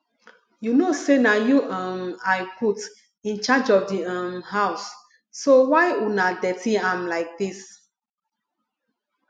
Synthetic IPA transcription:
junosenajuʔãmaɪpʰut | ĩnt͡ʃad͡ʒɔfdiãmhaʊsː | owaɪunadɛtiãmlaɪk̚dis

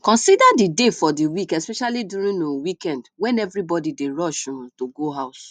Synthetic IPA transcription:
kɔ̃nsidadidefɔdiwikɛspɛʃaliduɾĩõwikɛ̃ndwɛ̃nɛvɹibɔdideɹɔʃũtoɡoɦaʊs

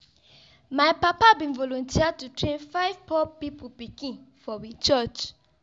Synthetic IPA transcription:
majpapabĩnvɔlɔ̃ntʰiatutɹẽnfaɪv̥pɔpipupikĩnfɔwit͡ʃɔt͡ʃ

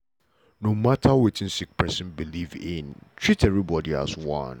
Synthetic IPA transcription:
nõmatʰawɪtɪ̃n̩sik̚pʰɹɛsɛ̃nbilivɪ̃ntʰɹitʰɛvɹibɔdia̰swã̰n

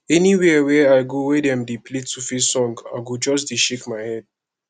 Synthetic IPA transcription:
ɛniwɛwɛaɪɡowɛdɛ̃mdepletufisɔ̃ŋɡa̰ɡod͡ʒɔsdeʃekmaɪhɛd̚

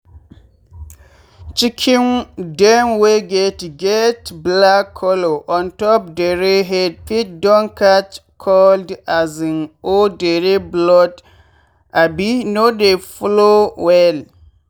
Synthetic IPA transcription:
t͡ʃikʰĩndɛmweɡetɡɛtblakʰːɔloʔɔ̃ntɔp̚deɾeɦɛd̚pit̚dɔ̃ŋkatkʰɔldaziŋodeɾeblɔt | abinodefɔlowɛl

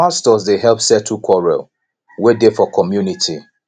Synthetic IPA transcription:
astɔsdeɦɛlpsɛtʰukʰɔɹɛ̰l | wedefɔkʰɔmjunitʰi

